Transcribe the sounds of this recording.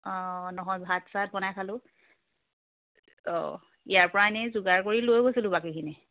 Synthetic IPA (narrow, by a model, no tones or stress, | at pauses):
ɔnɔɦɔ̃jzʱatsat̚bɔnajkʰalʊ | ɔ̰ | ḭjaɹpɔɹaɛnɛzuɡaɹkoɹilojɡojsilʊ̃bakikʰini